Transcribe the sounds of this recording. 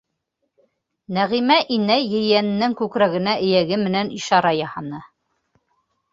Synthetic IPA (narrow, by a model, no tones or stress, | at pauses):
næʁimæʔinæjɘ̆jænɘ̆nːɘŋkʉkɾæɡɘ̆næʔɘ̆jæɡɘmɘ̆næniʃɑɾɑjɑhɑnɤ